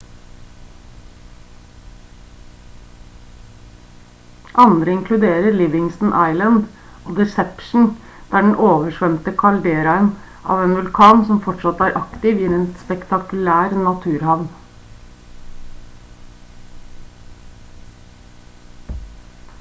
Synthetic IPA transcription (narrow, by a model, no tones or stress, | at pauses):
ʔɑnd̪ɾəɪŋkʰlʉd̪eːɾəɾlɪʋɪŋsn̩ʔɑɪlənd̪ | oːd̪ɛsɛpʃɳ̩ | d̪̥æːɖɳ̩ʔoːʋəʃʋœmt̪əkʰɑɭɖeːɾɑən | ʔɑ̰ːʋeːnʋʉlkʰɑːnsɔmfɔʈʂɑt̪æːɾʔɑkt̪ɪʋiːɛːnspɛkt̪ɑkʉlæːɾnɑt̪ʰʉːɾhɑʋn